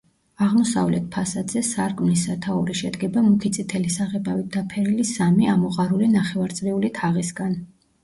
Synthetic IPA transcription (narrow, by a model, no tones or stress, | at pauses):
aʁmɔsa̰vlɛt̪̚pʰasad̪zɛsaɾkʼmnisat̪ʰaɔɾiʃɛd̪ɡɛbamukʰit̪sʼit̪ʰɛlisaʁɛbavit̪̚d̪apʰɛɾilisamiamɔqʼaɾulinaχɛvaɾt̪sʼɾiulit̪ʰaʁisɡan